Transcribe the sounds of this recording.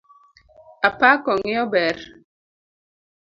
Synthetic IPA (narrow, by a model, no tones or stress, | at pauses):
apakɔŋɪɔbɛɾ